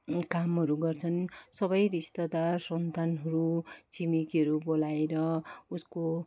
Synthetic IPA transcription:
kamɦʌɾuɡʌrt͡sʰʌnsʌbʌjrist̪ʌd̪asʌnt̪anɦʌɾut͡sʰimikʌɾubolaeɾʌusko

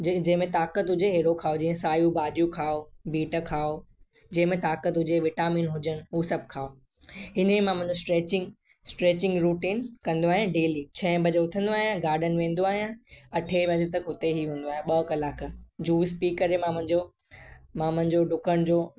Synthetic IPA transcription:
d͡ʑɐ̃ɦɪ̃mẽt̪aːkət̪ɦʊd͡ʑeɦeːɽokʰaːod͡ʑĩːə̃saːjũbaːd͡ʑjũkʰaːobiːʈəkʰaːo | d͡ʑɐ̃ɦɪ̃mẽt̪aːkət̪ɦʊd͡ʑeʋɪʈaːmiːnɦʊd͡ʑəñɪ̆ɦuːsɐb̚ʱkʰaːo | ɦɪnimãmɐ̃ɪ̃ɲd͡ʑosʈɾeːt͡ɕɪ̃ŋɡ | sʈɾeːt͡ɕɪ̃ŋɡɾuːʈiːnkɐ̃nd̪oaːɦijãɖeːliːt͡ɕʰɐ̃bʱɐd͡ʑeʊt̪ʰə̃nd̪oaːɦijãɡaːɾɗənʋẽːnd̪oaːɦijãɐʈʰebʱɐd͡ʑet̪ɐkɦʊt̪eɦiɦũːn̆d̪oaːɦijãɓɐkɐlaːkd͡ʑuːspiːkɐɾemãmɐ̃ɦɪ̃ɲd͡ʑo | mãmɐ̃ɦɪ̃ɲd͡ʑoɖʊkʰəɽ̃d͡ʑoː

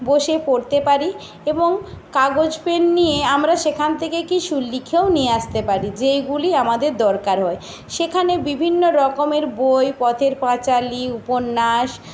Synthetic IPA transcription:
boʃepoɾt̪epaɾi | eboŋkaɡod͡ʑpenːijeamɾaʃekʰant̪ʰekekiʃulːikʰewnieaʃt̪epaɾid͡ʑejɡuliamad̪eɾd̪ɔɾkaɾɦɔe | ʃekʰanebibʱinːoɾɔkomeɾbojpɔt̪ʰeɾpãt͡ɕaliuponːaʃ

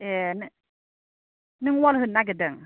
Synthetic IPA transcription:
ɛn | nɨŋwɔlɦɯnːaɡ̬ədəŋ

